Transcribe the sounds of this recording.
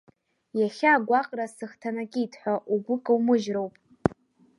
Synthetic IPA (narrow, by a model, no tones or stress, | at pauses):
jaχʲaːɡʷaqʼrasɨχtʰanakʲʼiitʰħʷaʔuɡʷʊkʼawmɨʒrowpʼ